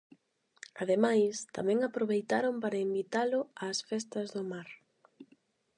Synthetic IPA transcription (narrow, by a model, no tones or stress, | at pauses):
aðemajst̪a̰mɛ̃ŋapɾoβejt̪aɾompaɾɐembit̪alʊaːsfɛst̪ɐzðʊmaɾ